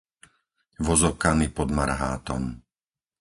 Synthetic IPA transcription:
ʋɔzɔkanipɔd̪maɾɦaːt̪ɔ̰m

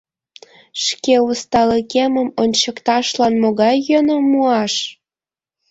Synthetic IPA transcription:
ʃkeust̪ɑləkeməmonʲt͡ɕəkt̪ɑʃlɑnmoɣɑjːənomuɑʃ

